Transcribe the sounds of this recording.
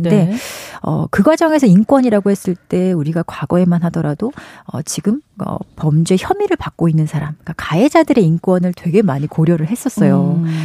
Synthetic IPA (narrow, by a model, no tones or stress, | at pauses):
nde̞ʌ̰kɯɡwad͡ʑʌŋe̞sʰʌink͈wʌɲiɾaɡohes͈ɯɭt͈e̞uɾiɡakwaɡʌe̞manɦadʌɾadoʌ̰t͡ɕiɡɯmʌ̰pʌmd͡ʑe̞çjʌmiɾɯɭpak̚k͈oinːɯnsʰaɾamk͈akaed͡ʑadɯɾe̞ink͈wʌnɯɭtwe̞ɡe̞maɲikoɾjʌɾɯɭɦe̞s͈ʌs͈ʌjo